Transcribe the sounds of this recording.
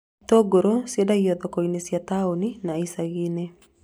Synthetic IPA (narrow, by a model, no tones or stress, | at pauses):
toɡoɾosiɛdaiɔðɔkɔinesjataoninaisaɣine